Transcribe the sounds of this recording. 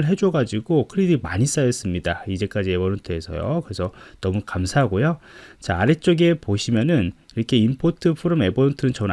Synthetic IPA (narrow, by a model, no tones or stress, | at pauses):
ɭɦe̞d͡ʑʌɡad͡ʑiɡokʰɯɾidimaɲis͈ajʌs͈ɯmɲidaid͡ʑe̞k͈ad͡ʑie̞bʌnontʰɯe̞sʰʌ̰jo̰kɯɾe̞sʰʌnʌmukamsʰaɦaɡojot͡ɕaːɾe̞t͡ɕ͈ʌɡe̞poɕʰimjʌnɯniɾʌkʰe̞impʰotʰɯpʰɯɾome̞bʌnontʰɯnɯnt͡ɕʌn